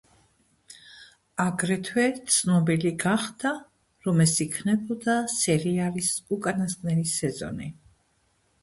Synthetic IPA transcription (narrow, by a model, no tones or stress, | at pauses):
aɡɾɛt̪ʰwɛt̪sʰnɔbiliɡaχd̪a | ɾɔmɛsikʰnɛbɔd̪asɛɾialisukʼanaskʼnɛlisɛzɔ̰ni